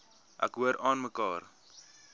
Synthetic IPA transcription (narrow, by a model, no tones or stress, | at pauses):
ʔæ̰kɦuəɾɑːnməkɑːr